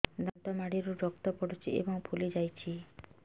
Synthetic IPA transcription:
d̪ant̪ɔmaɽiɾuɾɔkt̪ɔpɔɽut͡ʃʰiḛbɔŋpʰulid͡ʒajt͡ʃʰi

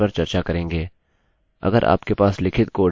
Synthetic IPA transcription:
ɐɾt͡ʃɐɾt͡ʃakɐɾẽːŋɡeː | ɐ̰ɡəɾʔa̰ːpkepaːslɪkʰɪt̪koː

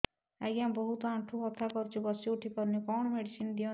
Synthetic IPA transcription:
aɡambɔɦut̪ɔãʈʰuɦɔt̪ʰːakɔɾt͡ʃʰubɔsiuʈʰipɔɾnekɔɳ̃ɔmeɖisind̪ijɔ

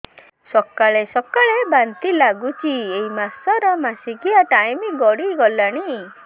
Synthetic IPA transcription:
sɔkaɭesɔkaɭebant̪ilaɡut͡ʃʰieimasɔɾɔmasikiaʈajmiɡɔɽiɡɔlaɽ̃i

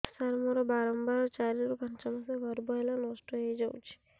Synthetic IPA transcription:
saɾmɔɾɔbaɾɔmbaɾɔt͡ʃaɾiɾubʱant͡ʃamas̬eɡʱɔɾbɔɦlanɔsʈɔɦejd͡ʒawt͡ʃʰi̥

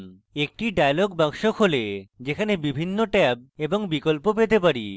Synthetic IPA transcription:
ek̚ʈiɖajloɡbaɡʃokɦoled͡ʑekʰanebibʱinːoʈɛp̚eboŋbikolpop̬et̪epaɾḭ

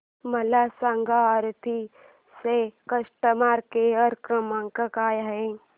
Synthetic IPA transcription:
mɐlasaŋɡʱaəɾt̪ʰi | sekəʃʈəmaːɾkeəɾkɾəmãŋkəkaːjɦẽ

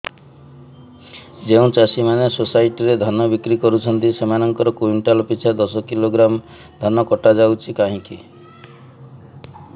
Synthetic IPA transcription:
d͡ʒeũt͡ʃasimanesosaiʈiɾed̪ʱanɔbikɾikɔɾut͡ʃʰɔnt̪isemanɔŋkɔɾɔkuiɳʈalɔpit͡ʃʰad̪ɔsɔkiloɡɾam | d̪ʱanɔkɔʈad͡ʒawt͡ʃʰikaɦĩki

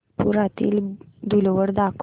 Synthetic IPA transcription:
puɾat̪ḭːld̪ulʋəɽd̪akʰ

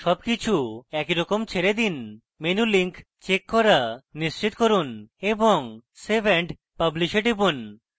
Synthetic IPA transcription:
ʃɔbkit͡ɕʰuɛkiɾɔkomt͡ɕʰeɾed̪in | menuliŋk | t͡ɕekːɔɾaniʃt͡ɕit̪koɾuneboŋsebʱeɳɖ | pabliʃiʈibun

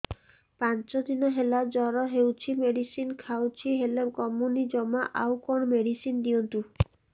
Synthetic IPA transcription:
pant͡ʃɔd̪inɔɦelad͡ʒɔɾɔɦewt͡ʃʰimeɽisinkʰawt͡ʃʰiɦelebkɔmunid͡ʒɔmaʔawkɔɽ̃ɔmeɽisind̪iɔnt̪u

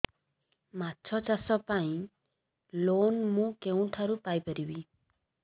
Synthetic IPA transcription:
matːt͡ʃʰɔt͡ʃasɔpaĩ | lonmũkeũʈʰaɾupajpəɾibi

